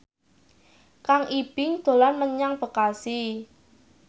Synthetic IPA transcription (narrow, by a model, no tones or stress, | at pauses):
kaŋʔib̥ɪŋd̪̥o̤lanməɲaŋb̥ə̤kasi